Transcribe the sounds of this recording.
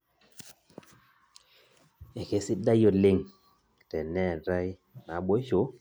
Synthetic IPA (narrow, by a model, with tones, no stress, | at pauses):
e˨ke˨˦sɪ˦da˦jo˨lɪ˦˨ŋ | tɛ˨nɛ˦˨ɾa˦j | na˨˦ɓwo˦ʃo˨˦